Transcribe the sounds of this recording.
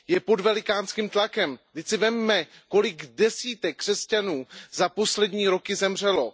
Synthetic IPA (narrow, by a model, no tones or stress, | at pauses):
jɛpo̞dvɛlɪkaːnskimt̪lakɛmd̪ɪcsɪvɛmːɛko̞lɪɡdɛsiːt̪ɛkːr̝̥ɛscanuːzapo̞slɛdɲiːɾo̞kɪzɛmr̝ɛlo̞